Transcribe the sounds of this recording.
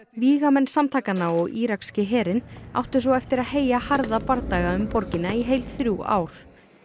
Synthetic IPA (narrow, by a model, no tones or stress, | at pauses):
viːɣamɛnːsamt̪ʰaːkanːaɔɣiːɾakscɪɦɛːɾɪna̰wht̪ʏ̥sɔɣɛft̪ɪɾaðɦeːjahaɾðapaɾt̪aːɣaʏmpɔɾcɪnːaiɦejlθɾjua̰ːwɾ̥